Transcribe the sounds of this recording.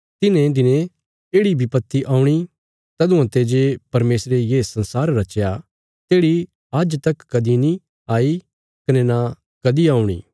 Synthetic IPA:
t̪ɪnẽd̪ɪnẽ | eːɽibʱipɐt̪ːiʔaːũɽ̃i | t̪ɐd̪ũɐ̃t̪ed͡ʒeːpɐɾmeːsɾejeːsɐ̃nsaːɾɾɐt͡ʃja | t̪eːɽi | ɐd͡ʒt̪ɐkːɐd̪ini | aːi | kɐnɛna | kɐd̪iaːũɽ̃ḭː

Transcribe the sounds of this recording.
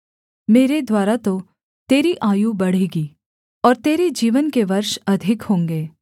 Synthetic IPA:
meːɾed̪waːɾat̪o | t̪eːɾiʔaːjubɐɽ̤iːɡiː | ɔːɾt̪eːɾed͡ʒiːʋənkeʋɐɾʃɐd̪ʱɪkhõːŋɡeː

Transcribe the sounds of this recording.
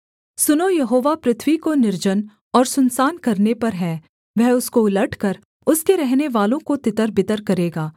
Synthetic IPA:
sʊnojɐɦoːʋapɾɪt̪ʰwikonɪɾd͡ʒən | ɔːɾsʊnsaːnkɐɾnepɐɾɦɛ̃ː | ʋɛɦʊskoɪləʈʰkɐɾ | ʊskeɾɛɦneʋaːlõkot̪ɪt̪əɾbɪt̪əɾkɐɾeːɡaː

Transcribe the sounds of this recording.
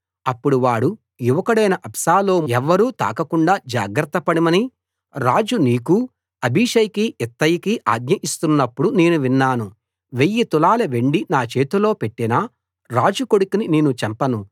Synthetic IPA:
ɐpːuɽuʋaːɽu | juʋɐkɐɽɐjnɐʔɐpsaːlo̞ːɛʋːɐɾuːt̪a̰ːkɐkuɳɖaːd͡ʒa̰ːɡɾɐt̪ːɐpɐɽimɐni | ɾaːd͡ʒuniːku | ɐbʱiʂɐjɐkiɛt̪ːɐjikiʔaːɡ̚ɲɐʔist̪unːɐpːuɽuneːnuʋinːaːnu | ʋe̞jːit̪ulaːleʋe̞ɳɖinaːt͡ʃe̞ːt̪ulo̞ːpe̞ʈːina | ɾaːd͡ʒuko̞ɽukinineːnut͡ʃɐmpɐnu

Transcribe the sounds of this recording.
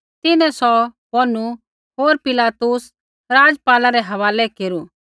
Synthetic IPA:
t̪ɪnɛ̃sɔbɔnu | ɦoːɾpɪlaːt̪ʊs | ɾaːd͡zpaːlaɾɛɦɐʋaːlɛkeːɾu

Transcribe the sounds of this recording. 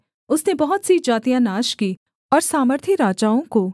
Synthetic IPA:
ʊsnebɐɦʊt̪sid͡ʒaːt̪ijãnaːʃkiː | ɔːɾsaːməɾt̪ʰiɾaːd͡ʒaːõko

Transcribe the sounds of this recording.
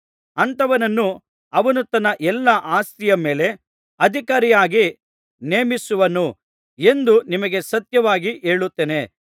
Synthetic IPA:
ɐnt̪ɐʋɐnɐnːu | ɐʋɐnut̪ɐnːɐʔɛlːɐʔaːst̪ijɐme̞ːle̞ | ɐd̪ʱikaːɾijaːɡi | neːmisuʋɐnu | e̞nd̪unimɐɡe̞sɐt̪jɐʋaːɡiʔe̞ːɭut̪ːeːne̞

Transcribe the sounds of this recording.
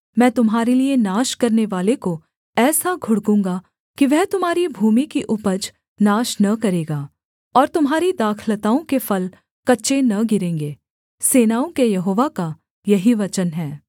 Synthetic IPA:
mɛ̃ːt̪ʊmɦaːɾelienaːʃkɐɾneʋaːleko | ɛːsaɡʱʊɽkũːŋ̆ɡa | kiʋɛɦt̪ʊmɦaːɾibʱuːmikiʔʊpəd͡ʒ | naːʃnɐkɐɾeːɡaː | ɔːɾt̪ʊmɦaːɾid̪aːkʰlət̪aːõkefɐl | kɐtːʃenɐɡɪɾẽːŋɡeː | seːnaːõkejɐɦoːʋaka | jɐɦiʋɐt͡ʃənɦɛː

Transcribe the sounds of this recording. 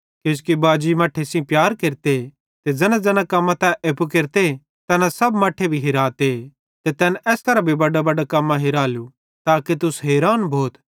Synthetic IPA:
keːskibaːd͡ʒimɐʈʰːesĩpjaːɾkeɾt̪e | t̪ed͡ʒɐnãd͡zɐnãkɐmːãt̪ãʔeːpukeɾt̪e | t̪ɛːnãsɐbmɐʈʰːebʱiɦɪɾaːt̪e | t̪et̪ɛːnʔɛːst̪ɐɾabʱibɐɖabɐɖakɐmːãɦɪɾaːlu | t̪aːket̪ʊsɦeːɾaːnbʱoːt̪

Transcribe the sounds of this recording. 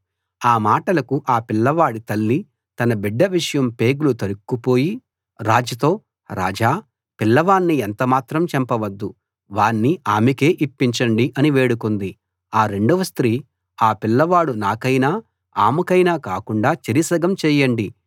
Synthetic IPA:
aːmaːʈɐlɐkuʔaːpilːɐʋaːɽit̪ɐlːi | t̪ɐnɐbiɖːɐʋiʂɐjɐmpe̞ːɡulut̪ɐɾukːupo̞ːji | ɾaːd͡ʒɐt̪o̞ː | ɾa̰ːd͡ʒaː | pilːɐʋaːnːient̪ɐmaːt̪ɾɐmt͡ʃɛmpɐʋɐd̪ːu | ʋaːnːiʔaːmike̞ːʔipːiɲt͡ʃɐɳɖiʔɐniʋe̞ːɽukond̪i | aːɾe̞ɳɖuʋɐst̪ɾiː | aːpilːɐʋaːɽunaːkɐjnaː | aːmukɐjnaːkaːkuɳɖaːt͡ʃɐɾisɐɡɐmt͡ʃɛːjɐɳɖi

